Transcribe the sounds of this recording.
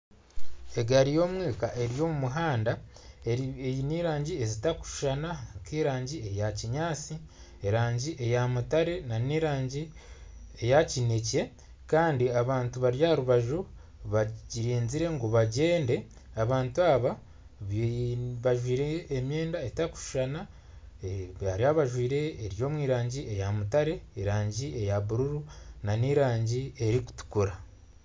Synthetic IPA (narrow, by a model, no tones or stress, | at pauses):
e̞ɡaɾijo̞ːmwiːkaʔe̞ɾijo̞ːmumuɦaːnda | ejiniːɾaːɲɟiezitaku̥ʃu̥ʃanakiːɾaːɲɟie̞jaciɲaːt͡si | eɾaːɲɟiʔe̞jamutaɾe̞naniɾaːɲɟi | ejacine̞ce̞ | kaːndiaβaːntuβaɾjaɾuβaʒu | βaɟiɾiːnziɾe̞ŋɡuβaɟe̞ːnde̞ | aβaːntuaβa | βaʒwiːɾeːmje̞ːndaetaku̥ʃu̥ʃana | βaɾiaβaʒwiːɾe̞ːɾjo̞ːmwiːɾaːɲɟiejamutaɾe̞ːɾaːɲɟie̞jaβuɾuɾunaniɾaːɲɟie̞ɾiku̥tu̥kuɾa